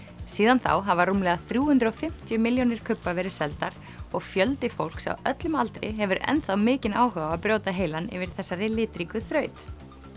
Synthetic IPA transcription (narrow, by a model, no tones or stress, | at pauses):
siːðanθa̰wɦavarumlɛɣaθɾjuːhʏnt̪ɾɔfɪm̥t̪jʏmɪljonɪɾ̥kʰʏpːavɛːɾɪsɛlt̪aɾ̥ | ɔɣfjœlt̪ɪfowl̥ksa̰wœt̪lʏmalt̪ɾɪ̰ɦɛvʏɾɛ̰nθawmɪːcɪnaːwɦœɣaapɾjoːwt̪aɦeːjlanɪ̰vɪɾ̥θɛsːaɾɪlɪːt̪ɾikʏθɾœːɥt̪